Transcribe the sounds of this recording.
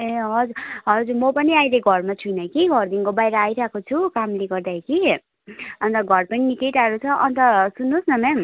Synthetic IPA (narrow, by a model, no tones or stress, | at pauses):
eɦʌd͡zuɦʌd͡zurmʌpʌniajleɡʱʌrmat͡sʰujnʌkiɡʱʌrd̪iŋkobajɾʌajɾakot͡sʰukamleɡʌrd̪aeki | ʌnt̪ʌɡʱʌrpʌninikejʈaɾut͡sʰʌʔʌnt̪ʌsunːosnʌmɛm